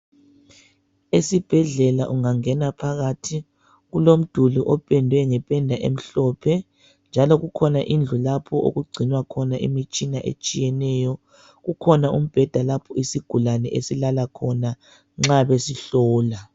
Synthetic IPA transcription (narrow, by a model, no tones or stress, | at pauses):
esib̥ʱɛɮɛlaʔuŋaŋɛnapʰaɣatʰi | ɣulom̩d̥ʱuluʔɔpʼɛndʱwɛŋɛpʼɛndʱaʔḛm̩ɬɔpʰɛ | nd͡ʒʱalɔɣukʰɔnaʔind͡ɮʱulapʰɔo̰ɣuɡ͡ǀʱinwakʰɔnaʔḭmit͡ʃʼinaʔḛt͡ʃʼijɛnɛːjɔ | ɣukʰɔnaṵm̩b̥ʱɛd̥ʱalapʰɔisiɡ̥ʱulanɛʔesilalakʰɔna | ŋ͡ǁaβesiɬɔːla